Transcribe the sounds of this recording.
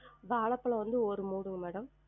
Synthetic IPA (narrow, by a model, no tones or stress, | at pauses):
ʋaːɭɐpːɐɭɐ̃ʋɐnd̪ɯɔɾɯmuːɽɯŋɡɐmɛːɽɐm